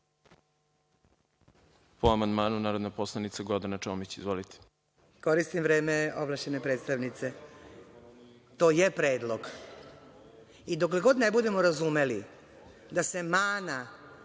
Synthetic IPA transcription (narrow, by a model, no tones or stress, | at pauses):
poamand̪maːnunaːɾod̪naposlˠanit̪saɡod̪anat͡ʃomit͡ɕizʋolit̪ʰe̥ | ko̞ɾist̪imʋɾe̞ːmeo̞̰blaʃt͡ɕenepɾe̞ːt̪st̪aʋnit̪se̞ | t̪o̞ːjepɾe̞ːd̪lˠo̞ɡ | id̪o̞k̬leɡo̞d̪nebud̪e̞mo̞ɾazume̞li | d̪ase̞maːna